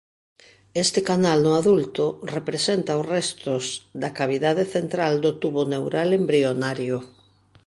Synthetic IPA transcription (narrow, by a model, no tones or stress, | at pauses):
est̪ɪkanalnʊaðult̪ʊrepɾesent̪aosrɛst̪ʊzd̪akaβiðað̞eθent̪ɾald̪ot̪uβonewɾalembɾionaɾjo